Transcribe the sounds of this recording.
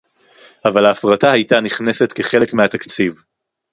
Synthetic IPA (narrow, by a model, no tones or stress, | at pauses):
avalhaːfʁatahajtaniχnese̞tkeχe̞le̞kmeat̪akt͡siv